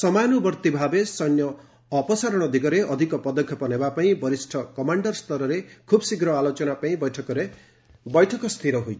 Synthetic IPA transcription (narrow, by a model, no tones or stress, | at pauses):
sʌmajnubʌɾt̪ibʱabesʌjnjʌː | pɔsaɾɔɽ̃ʌd̪ʱiɡʌɾeʔʌd̪ʱikɔpʌd̪ɔkʰjɔpʌnebapaĩbʌɾisʈʰʌkʌmaɳɖʌrst̪ʌɾʌɾekʰubsiɡɾʌalot͡ʃɔnapaĩbʌjʈʰʌkɔɾe | bʌjʈʰʌkɔst̪ʰiɾʌɦojt͡ʃʰ